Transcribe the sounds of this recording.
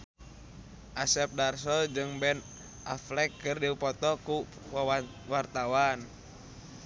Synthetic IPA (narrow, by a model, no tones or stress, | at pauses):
ʔasɛp̚darsɔld͡ʒɨŋbɛn | ʔa̰flɛkːɨrdiupɔt̪ɔku | wart̪awan